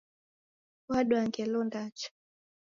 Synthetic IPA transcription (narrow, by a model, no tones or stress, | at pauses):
waɗwaŋkɛlɔndat͡ʃḁ